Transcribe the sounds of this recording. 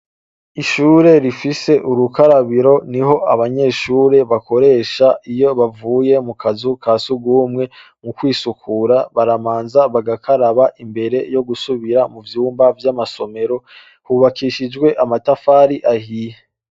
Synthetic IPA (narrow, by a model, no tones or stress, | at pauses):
iʃuːɾe̞ɾifise̞ʔuɾukaɾaβiɾo̞niɦo̞aβaɲe̞ʃuːɾe̞βako̞ɾe̞ːʃaijo̞βavuːje̞mukʰazukʰaːsuɡuːmŋe̞ | mukwiːsukʰuɾaβaɾamaːnzaβaɡakʰaɾaβaʔimbe̞ɾe̞jo̞ɡusuβiɾamuvjuːmbavjamaso̞me̞ɾo̞ | huβakiːʃid͡ʒɡwe̞ʔamatafaːɾiʔahije